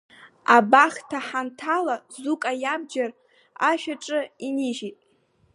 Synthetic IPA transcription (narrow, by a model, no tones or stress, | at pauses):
abaχtʰaħantʰalazukʼajabd͡ʒar | aʃᶣaʈ͡ʂʼɨiniʒitʼ